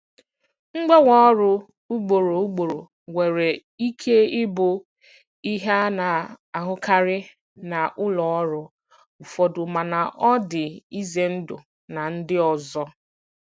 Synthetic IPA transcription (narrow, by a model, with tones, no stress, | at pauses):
ŋ͡m̩˦ɡ͡be˦wɔ˦ɾʊ˦ | u˦ɡ͡bo˨ɾo˨u˦ɡ͡bo˨ɾo˨ | we˨ɾe˨ | i˦kʰe˦ɪ˦bʊ˨ | i˦ɦa˦na˨ | a˨ɦʊ˦ka˦ɾɪ˦ | na˨ʔʊ˦lɔ˨ɔ˦ɾʊ˦ | ʊ˨fɔ˨dʊ˨ma˨na˨ʔɔ˦dɪ˨i˦ze˨n̩˦dʊ̰˨ | na˨n̩˦dɪ˦ɔ˨zɔ˦